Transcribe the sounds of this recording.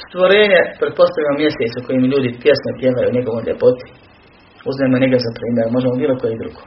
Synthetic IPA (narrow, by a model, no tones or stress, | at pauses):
st̪ʋo̞ɾeːɲepɾet̪̚po̞st̪aʋʎʲamomjeset̪suko̞jimʎuːd̪ipje̞smepjeʋajṵɲe̞ɡo̞ʋo̞jʎʲḛpo̞t̪i̥ | uznaemoɲeɡd̪ezapɾiːmʲjeɾumo̞ʒemobiːlˠokojed̪ɾṵɡ̥oː